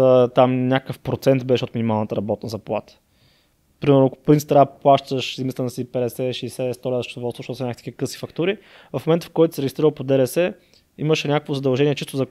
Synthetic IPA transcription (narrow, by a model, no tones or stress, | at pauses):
ət̪amnʲakkəfpɾot̪sɛnt̪bɛʃɛot̪minʲimalˠnət̪əɾɐbɔt̪nəzɐplˠa̰t̪ə̥ | pɾimɛɾnʊɐkʊ̥pɾint̪st̪ɾaplˠaʃt̪əʃizmist̪ɛnɐsipɛd̪ɛsɛʃɛːsɛst̪ɔlad̪əʃt̪od̪ovɔlˠst̪voʃt̪ɔt̪snakt̪ikkɤsi̥fɐkt̪uɾi | vɐfmomɛnt̪əfkɔjt̪ʊsɛɾɛɡʲist̪ɾiɾəlˠpod̪ɛɾɛsɛ | iməʃɛnʲakəkvozɐd̪ɐlˠʒɛniɛt͡ʃist̪ʊzɐ